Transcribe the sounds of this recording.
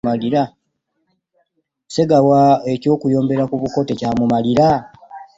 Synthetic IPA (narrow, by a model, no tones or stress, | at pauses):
maliɾa | se̞ɡawae̞co̞ːkujo̞ːmbe̞ɾakuβuko̞tecaːmumaliɾa